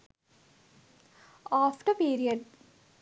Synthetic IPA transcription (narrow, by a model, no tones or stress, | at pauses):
ɔːfʈəpiːɾijəɖ